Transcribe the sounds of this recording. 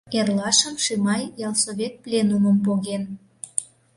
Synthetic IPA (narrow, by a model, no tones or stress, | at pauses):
erlɑʃəmʃimɑjjɑlˠsoβʲet̪̚plʲenuməmpoɣen